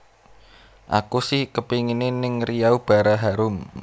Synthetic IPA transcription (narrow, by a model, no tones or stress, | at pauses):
ʔa̰kusɪhkəpiŋinenɪŋrijaub̥a̤ɾaɦaɾʊm